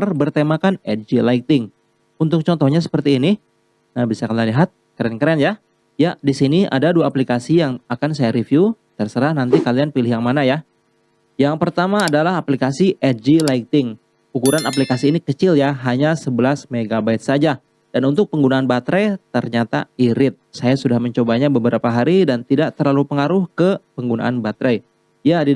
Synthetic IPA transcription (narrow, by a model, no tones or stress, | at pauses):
rbərt̪emakanɛ̰t̪̚d͡ʒilait̪ɪŋ | unt̪ʊk̚t͡ʃɔnt̪ɔhɲas̬ə̥pərt̪iːni | nahbisakanlaliɦat̪̚kəɾɛnkəɾɛnja | jadisiniʔa̰daduaːplikasijaŋakansajaɾifju | t̪ərsəɾahnant̪ikalianpilɪhjaŋmanaja | jaŋpərt̪amaːdalaɦaplikasiʔɛd͡ʒilaik̚t̪ɪŋ | ukuɾanaplikasiːnikət͡ʃɪljaɦaɲasəbəlasmeɡabaɪt̪̚sad͡ʒa | d̥anunt̪ʊk̚pəŋɡunaːnbat̪ɾet̪ərɲat̪a̰iɾɪt̪̚sajasudahməɲt͡ʃobaɲabəbəɾapaɦaɾidant̪idaʔt̪ərlalupəŋaɾʊhkəpəŋɡuna̰ʔanbat̪ɾa | jadi